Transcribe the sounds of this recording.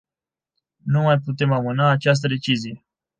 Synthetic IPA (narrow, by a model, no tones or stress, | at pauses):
numajput̪e̞mamɨnaːt͡ʃas̬t̪əd̪e̞t͡ʃizije̞